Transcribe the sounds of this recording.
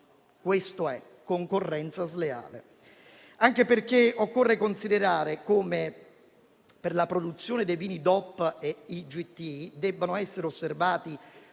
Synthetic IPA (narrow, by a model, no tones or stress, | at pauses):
kwest̪oɛ | kːoŋkorːɛnt̪sazlea̰ːlḛ | aŋk̟eperkeokːorːekonsid̪eɾaːɾekoːme | perlapɾod̪ut̪sːjoːned̪ejviːnid̪ɔpːeid͡ʒit̪ːiid̪ɛbːanoɛsːeɾeosːervaːt̪i